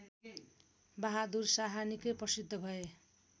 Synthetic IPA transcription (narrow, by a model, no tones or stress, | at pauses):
baɦad̪ursaɦanikʌjprʌsid̪ʱːʌbʱʌe